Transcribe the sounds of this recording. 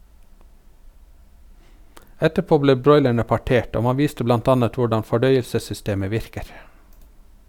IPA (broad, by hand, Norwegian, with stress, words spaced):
ˈɛtəˌpoː ˈbleː ˈbɾɔʏlæɳə pɑˈʈeːʈ ˈoː ˈmɑ ˈʋiːstə ˈblɑnt ˈɑːnət ˈʋʊɖɑn fɔˈɖœʏəlsəsʏˌsteːmə ˈʋɪɾkəɾ